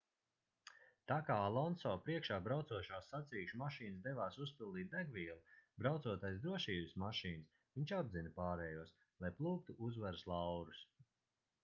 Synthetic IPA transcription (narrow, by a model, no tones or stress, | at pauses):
t̪aːkaːalˠɔnsɔːpɾiɛkʃaːbɾawt̪suɔʃaːsːat̪siːʃumaʃiːnɨsd̪ɛvaːsuspilˠd̪iːt̪̚d̪aɡviɛlˠibɾawt̪suɔt̪ajzd̪ɾuɔʃiːbɨsmaʃiːnɨs | viɲt͡ʃabzinɐpaːɾɛːjuɔs | lˠajplˠuːk̚t̪uʔuzvaɾslˠawɾus